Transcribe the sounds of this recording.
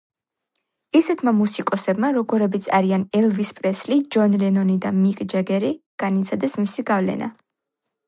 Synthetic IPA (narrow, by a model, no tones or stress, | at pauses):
isɛt̪ʰmamusikʼɔsɛbmaɾɔɡɔɾɛbit̪sʰaɾianɛlˠvispʼɾɛslid͡ʒɔnlɛnɔnid̪amikʼd͡ʒɛɡɛɾiɡ̥anit̪sʰad̪ɛsmisiɡavlɛ̰na̰